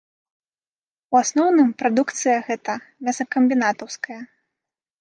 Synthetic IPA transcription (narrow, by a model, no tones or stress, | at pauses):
uasnɔwnɨmpɾad̪ukt̪sɨjɐɣɛt̪ɐ | mʲasɐkɐmʲbʲinat̪ɐwskɐjɐ